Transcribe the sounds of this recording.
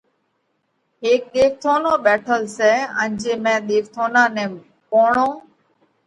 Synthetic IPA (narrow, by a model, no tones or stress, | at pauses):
ɦeːk̚ɗ̪eːʋt̪ʰoːnõːɓɛːʈʰəlsɛːə̰̃nd͡ʒeːmɛ̃ːɗ̪eːʋt̪ʰoːnãːnɛ̃ː | poːɳõː